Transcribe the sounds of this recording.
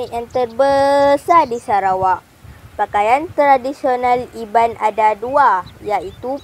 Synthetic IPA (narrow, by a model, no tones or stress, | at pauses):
kjaŋt̪ərbəsadisaɾawaʔ | pakajant̪ɾadisionãlibanʔadaduajait̪u